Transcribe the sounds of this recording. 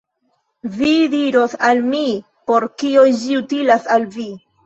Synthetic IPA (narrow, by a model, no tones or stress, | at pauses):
vidiɾo̞salmi | po̞ɾkiond͡ʒiutilasalvi